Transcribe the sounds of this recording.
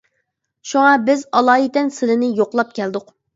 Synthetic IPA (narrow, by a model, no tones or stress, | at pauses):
ʃuŋɑbɪzɑlˠɑːit̪ɛnsɪlɪnɪjoqlˠɑp̚kʲʰɛld̪ʊq